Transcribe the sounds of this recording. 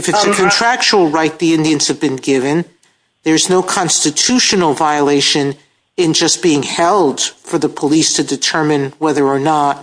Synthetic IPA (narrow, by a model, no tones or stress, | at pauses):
ɨfɨtsɨkʰɨ̃ntʰɹ̥æk̚t͡ʃəl̩ˠɹaɪt̪̚ðiɪ̃ndiɨ̃nz̥ɨvbɨ̃nɡɪvɨ̃n | ðə˞znoʊkʰɑ̃nstɨtʰʉʃɨnl̩ˠvaɪəleɪʃɨ̃n | ɪ̃nd͡ʒʌsb̥iɪ̃ŋhɛlˠd̥fə˞ðɨpʰəlistʰɨdɨtʰɜ˞mɨ̃nwɛðə˞ːnət̚